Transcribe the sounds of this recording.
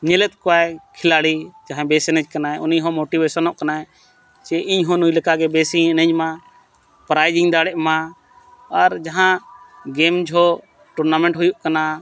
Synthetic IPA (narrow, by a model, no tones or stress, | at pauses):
ɲelɛt̪̚koaːekʰɪlaːɽiːd͡ʒaɦãbeːsenəd͡ʒkənaːeʊniɦoːmoːʈiʋeːsənoʔkənaːe | t͡ʃeʔɪɲɦõːnuiləkaɡeːbeːsinə̃d͡ʒmãː | pɾaːɪd͡ʒɪŋd̪aːɽɛʔmãː | əɾd͡ʒəɦãɡeːmd͡ʒɦo | ʈʊɾnaːmẽɳʈɦʊjuʔkənaː